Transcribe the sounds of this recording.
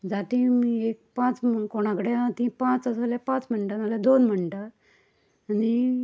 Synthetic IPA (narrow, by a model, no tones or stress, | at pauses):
d͡zat̪ĩmiek̚pãt͡skoɽ̃ãkɽeãt̪ĩpãt͡sasaljapãt͡sm̤əɳʈanalad̪onm̤əɳʈaː | ni